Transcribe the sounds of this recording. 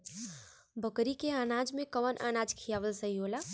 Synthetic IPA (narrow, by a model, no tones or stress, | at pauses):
bəkɾikeaːnad͡ʒmẽkəʋənʔa̰ːnad͡ʒkʰijaːʋəlsəɦiola